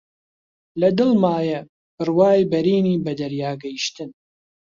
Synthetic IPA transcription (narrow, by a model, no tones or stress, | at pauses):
lɐd̪ɨlmaːjɐ | bɨrwaːjbɐɾiːniːbɐd̪ɐɾjaːɡɐjiʃt̪ɨn